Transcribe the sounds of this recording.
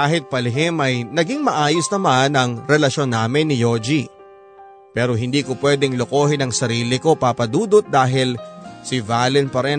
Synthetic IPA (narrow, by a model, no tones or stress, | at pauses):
aːɦɪt̪̚pɐlɪɦɪmɐjnɐɡiŋmɐʔaːjosnɐmanɐŋɾɛlɐʃo̞nːaːmɪnːɪjod͡ʒi | pɛːɾo̞ɦɪnd̪iːkopwɛd̪ɛŋlokoːhɪnɐŋsɐɾiːlɪko̞papɐd̪uːd̪ot̪̚d̪aːɦɪlsɪvaːlɛnpɐɾɛ